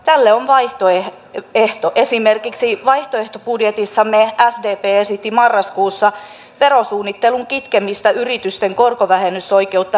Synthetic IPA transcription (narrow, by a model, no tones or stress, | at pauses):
t̪ælːeoʋʋɑiht̪oeh | eht̪oʔesimerkiksiʋɑiht̪oeht̪opudjet̪isːɑmeæsdeːpeːesit̪ːimɑrːɑskuːsːɑ | ʋeɾosuːnːit̪ːeluŋkit̪kemist̪ɑyrit̪yst̪eŋkorkoʋæhenysːoikeut̪ːɑ